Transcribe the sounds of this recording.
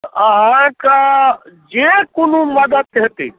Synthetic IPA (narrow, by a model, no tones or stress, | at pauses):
əɦãkad͡ʒekonuməd̪əd̪ɦet̪ḭ